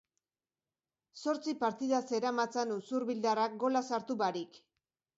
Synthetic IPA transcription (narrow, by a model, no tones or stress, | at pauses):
so̞ɾt͡sipaɾt̪iðase̞ɾamat͡sanusuɾβild̪arak̚ɡo̞lasaɾt̪uβaɾik